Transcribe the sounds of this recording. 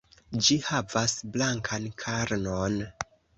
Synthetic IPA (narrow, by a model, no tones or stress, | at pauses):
d͡ʒihavasblaŋkʰankʰaɾnon